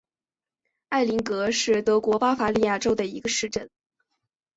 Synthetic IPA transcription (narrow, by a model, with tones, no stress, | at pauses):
a˥˩ɪli˧˥ŋkɤ˧˥ʂɻ̩˥˩t̪ɤ˧˥kwɔ˧˥pa˥fa˧˥li˥˧ja˥˩ʈ͡ʂo˥ʊd̪ə˨i˧˥ɡə˧ʂɻ̩˥˧ʈ͡ʂə˥˩n